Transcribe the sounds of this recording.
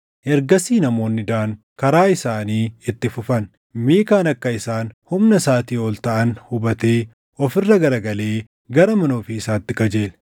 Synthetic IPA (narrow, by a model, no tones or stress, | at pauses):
ʔɛɾɡɐsiːnɐmo̞ːnːɪd̪aːŋ | kɐɾaːɪsaːniːɪt̪ːɪfʊfɐn | miːkaːnɐkːɐɪsaːnhʊmnɐsaːt̪iːoːlt̪ɐʔɐnhʊbɐt̪eː | ɔfɪrːɐɡɐɾɐɡɐle̞ː | ɡɐɾɐmɐnoːfɪːsaːt̪ːɪkɐd͡ʒe̞ːl